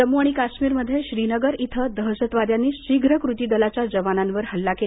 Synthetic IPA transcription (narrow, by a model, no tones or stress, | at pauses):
əmuaɽ̃ikaɕmiːɾməd̪ʱːjeɕɾinəɡəɾit̪ʰəd̪əɦəsət̪ʋad̪janːiːɕiɡɾəkɾut̪iːd̪əlat͡ɕjad͡zəʋananʋəɾhəlːake